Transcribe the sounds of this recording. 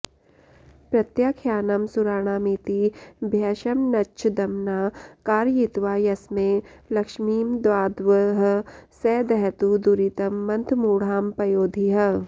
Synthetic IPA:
pɾɐt̪jakʰjaːnɐmsuɾaːɽ̃aːmiːt̪ibʱjaːʃɐmnɐt͡ʃʰd̪ɐmnaːkaːɾjit̪ʋaːjɐsmẽlɐkʃmiːmd̪ʋaːd̪ʋəɦsɛːd̪ɛɦt̪ud̪uɾit̪ɐmːɐ̃nt̪ʰmuːɽ̤aːmpɐjoːd̪ʱiɦɐ

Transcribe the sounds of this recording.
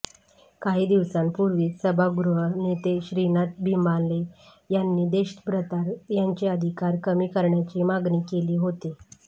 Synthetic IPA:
kaɦiːd̪iʋsanpuɾʋiːsəbʱaɡɾuɦənet̪eɕɾinat̪̚bʱimbanle | janːiːd̪eɕbɾət̪aɾjaɲt͡ɕeəd̪ʱikaɾkəmiːkəɾɳjat͡ɕiːmaɡniːkeliːɦot̪e

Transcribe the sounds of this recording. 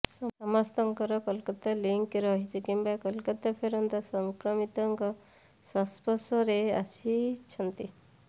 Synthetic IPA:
sɔɔmast̪ɔŋkɔɾɔkɔlkɔt̪aliŋkɾɔɦit͡ʃʰikimbakɔlkɔt̪apʰeɾɔnt̪asɔŋkɾɔmit̪ɔŋkɔ | sɔspɔsɔɾeasit͡ʃʰɔnt̪i

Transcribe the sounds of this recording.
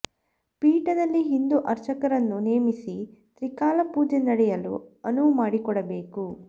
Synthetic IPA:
piːʈɐd̪ɐlːiɦind̪uʔɐɾt͡ʃɐkɐɾɐnːuneːmisit̪ɾikaːlɐpuːd͡ʒenɐɽɛjɐlṵɐnuʋmaːɽikɔɽɐbe̞ːku

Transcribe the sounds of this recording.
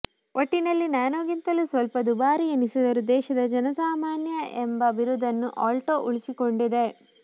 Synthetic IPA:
ʔoʈːinɐlːinaːnoːɡint̪ɐlusʋɐlpɐd̪ubaːɾiɐnisud̪ɐɾud̪ɛːʃɐd̪ɐd͡ʒɐnɐsaːmaːnjɐʔembɐbiɾud̪ʱːɐnːuʔaːlʈoːʔuɭisiko̞ɳɖid̪e̞

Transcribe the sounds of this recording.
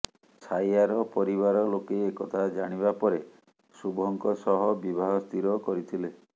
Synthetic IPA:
sajaɾɔpɔɾiβaɾɔlokeːkɔt̪ʰad͡ʒaɽ̃ibapɔɾe | subʱɔŋkɔsɔɦɔbibʱaɦɔst̪ʰiɾɔkɔɾit̪ʰile

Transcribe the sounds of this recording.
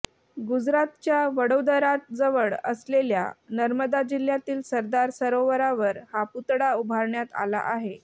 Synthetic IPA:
ɡud͡zɾat̪t͡ɕjaʋəɽod̪əɾat̪̚d͡zəʋəɭə̰slelja̰nəɾməd̪ad͡ʑil̤ːjat̪iːlsəɾd̪aɾsəɾoʋəɾaʋəɾhaput̪ɽaubʱaɾɳjat̪a̰la̰ʔaɦe

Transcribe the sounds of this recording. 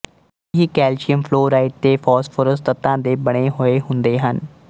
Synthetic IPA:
ɦiːkɛːlʃiəmpʰloːɾaːɪʈ̚d̪eːfʰɔːsfʰoːɾəst̪ət̪ːãːd̪eːbəɽ̃eːɦoeːɦʊ̃nd̪eːɦən

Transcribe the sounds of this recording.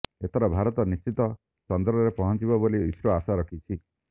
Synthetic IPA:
et̪ʰɔɾɔbʱaɾɔt̪ɔnist͡ʃit̪ɔ | sɔnd̪ɾɔɔɾepɔɦɔnt͡ʃibɔboliisɾɔasaɾɔkʰit͡ʃʰi

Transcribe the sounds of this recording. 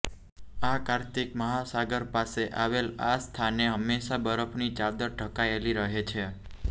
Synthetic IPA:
akaɾt̪ikməɦasaɡəɾpaseʔaʋelast̪ʰaneɦəmːeʃabəɾəfʰnit͡ʃad̪əɾɖʱəkaeliɾəɦet͡ʃʰe

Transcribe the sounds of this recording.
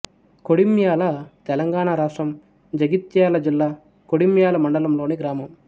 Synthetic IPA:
koɽimjaːlɐt̪ɛlɐŋɡaːɳaɾaːʂʈɾɐm | d͡ʒɐɡit̪jaːlɐd͡ʒilːaː | koɽimjaːlɐmɐɳɖɐlɐmlo̞ːniɡɾaːmɐm

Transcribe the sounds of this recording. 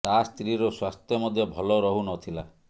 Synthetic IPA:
t̪ast̪ɾiɾɔswast̪jɔmɔd̪ʱjɔbʱɔlɔɾɔɦunɔt̪ʰila

